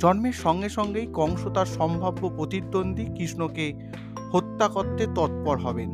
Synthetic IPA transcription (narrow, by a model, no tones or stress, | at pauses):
d͡ʑɔnmeɾʃɔŋɡeʃɔŋɡejkɔŋʃot̪aɾʃɔmbʱabːopɾot̪id̪ːond̪ʱikɾiʃnoke | hot̪ːakot̪ːet̪ɔt̪̚pɔɾɦɔben